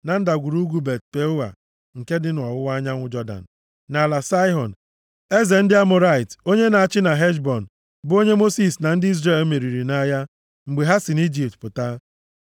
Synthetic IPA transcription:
na˨n̩˦da˨ɡʷu˨ɾu˦ɡu˦be˨t̚pe˦ʊ˦wa̰˨ | ŋ̩˨ke˦dɪ˦nʊ˨ɔ˨wʊ˦wa˦ɲa˦ŋʷʊ˦d͡ʒɔ˦da̰˨n̩˨ | na˨la˨sa˦ɪ˦ɦɔ˨n˨ | e˦ze˨n̩˦dɪ˦a˦mʊ˨ɾa˦˨ɪ˨to˦ɲe˦na˨a˨t͡ʃɪ˦na˨ɦe˦ʃ̬bɔ˨n̩˨ | bʊ˦o˦ɲe˦mo˦si˨sna˨n̩˦dɪ˦i˦zre˦˨lme˨ɾi˨ɾi˨na˦ja˦ | ŋ͡m̩˨ɡ͡be˨ɦa˦sɪ˨ni˦d͡ʒi˨ptpʊ˨ta˦

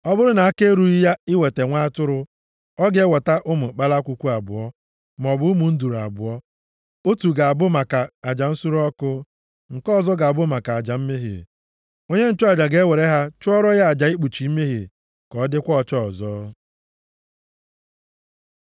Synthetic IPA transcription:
ɔ˦bʊ˦ɾʊ˦na˨a˦ke˦ɾu˦i˦ja˦ɪ˦we˨te˨ŋʷa˦a˦tʊ˦ɾʊ˦ | ɔ˦ɡe˨˦wa˨ta˦ʔʊ˦mʊ˨k͡pa˦la˦kʷu˨kʷu˦a˨bʊ̰˨ɔ˦ | m˨ɔ˨bʊ˦mu˨n̩˦du˨ɾu˨a̰˨bʊ˨ɔ˦ | o˦tu˨ɡa˨a˨bʊ˦ma˨ka˨a˨d͡ʒa˨n̩˦su˦ɾɔ˦kʊ˦ | ŋ̩˨kɔ˦˨zɔ˦ɡa˨a˨bʊ˦ma˨ka˨a˨d͡ʒa˨m̩˦me˦ɦḛ˨ | o˦ɲe˦n̩˦t͡ʃɔ˦a˨d͡ʒa˨ɡe˨˦we˨ɾe˦ɦa˦t͡ʃʊ˦ɔ˦ɾɔ˦ja˦a˨d͡ʒa˨i˦k͡pu˨t͡ʃi˨i˦me˦ɦḛ˨ | kɔ˨˦dɪ˦kʷɔ˦ɔ˨t͡ʃɔ˦ɔ˨zɔ˦

